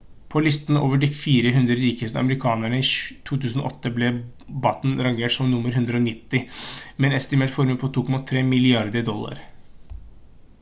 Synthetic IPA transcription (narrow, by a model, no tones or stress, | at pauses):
pʰɔlɪst̪əno̰ːʋəɖifiːɾəɦʉnd̪ɾəɾiːkəst̪əɑ̰məɾɪkʰɑːnæɳəit̪ʰuːt̪ʰʉːsən̩ɔ̰ʔɔt̪ːəblɛ | bɑt̪n̩ɾɑŋɡeːʈsɔmnʊmːəɾɦʉnd̪ɾəɔnɪt̪ːɪmɛnɛst̪ɪmɛlfɔɾməpʰɔt̪ʰuːkʰɔmɑt̪ʰɾeːmɪlɪɑɾd̪əd̪ɔlːɑ̰ɾ